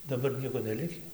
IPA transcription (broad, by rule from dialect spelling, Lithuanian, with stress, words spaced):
dɐˈbɐr ˈnʲiɛkoː nʲɛˈlʲɪkʲiː